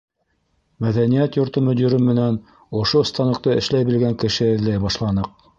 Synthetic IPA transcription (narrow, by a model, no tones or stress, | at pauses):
mæðænijæt̪jŏɾt̪ɤmɵ̆d̪ʲiɾɘmːɘ̆næn | ŏʃŏst̪ɑnɤ̆q̚t̪ɤɘ̰̆ʃlæjbilɡæŋkɘ̆ʃɘɘ̆ðlæjbɑʃlˠɑnɤq̚